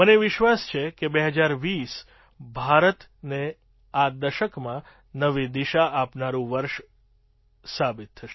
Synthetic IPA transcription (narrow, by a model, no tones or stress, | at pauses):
məneʋɪʃʋast͡ʃʰekebeɦəd͡ʒaɾʋis | bʱaɾət̪ | ne | ad̪əʃəkmã | nəʋid̪iʃaʔapnaɾũʋəɾʃ | sabɪt̪ʰːəʃe